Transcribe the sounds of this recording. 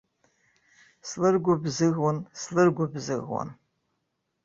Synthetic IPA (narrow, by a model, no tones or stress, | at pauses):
slɨrɡʷʊbzɨɣwanslɨrɡʷʊbzɨɣwa̰n